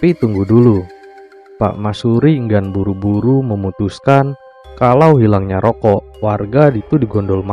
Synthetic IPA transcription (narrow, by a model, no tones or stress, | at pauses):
pit̪uŋɡudulu | pa̰ʔmasuɾiŋɡanbuɾubuɾuməmut̪uskan | kalawɦilaŋɲaɾʔɔkɔʔwarɡadit̪udiɡɔndɔlma